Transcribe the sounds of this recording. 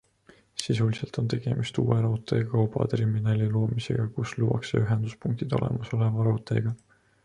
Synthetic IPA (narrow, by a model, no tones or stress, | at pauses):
sisuliselt̪o̞nt̪e̞ɡ̥e̞mist̪ṵːeɾɑɦot̪ˑe̞kɑwbɑ̰t̪rɾiminɑlʲilo̞ːmise̞̰ɡ̥ɑkusluwɑ̰ksḛyɦend̪̥uspuŋk̚t̪id̪̥o̞̰lḛmɑso̞le̞vɑɾɑut̪ːˑe̞̰ɡ̥ɑ